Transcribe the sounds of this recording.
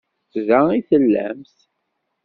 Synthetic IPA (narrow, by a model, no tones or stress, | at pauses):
t͡sðæiθəlːæ̰mθ